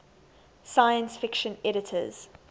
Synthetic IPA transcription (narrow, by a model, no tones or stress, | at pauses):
saɪə̃nsfɪkʃə̃nɛɾɪtʰə̰z̥